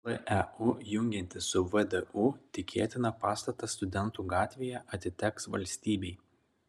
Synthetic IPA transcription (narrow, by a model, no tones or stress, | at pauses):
lˠɐʔɛujʊŋʲɡʲɛnʲt̪ʲɪsʊʋəd̪ɛʔut̪ʲɪkʲʰeːt̪ʲɪnɐpɑːst̪ɐt̪ɐst̪ʊd̪ʲɛnˑt̪uːɡɑːt̪ʲʋʲeːjɛʔɐt̪ʲɪt̪ʲɛksʋɐ̰lʲsʲt̪ʲiːbʲɛɪ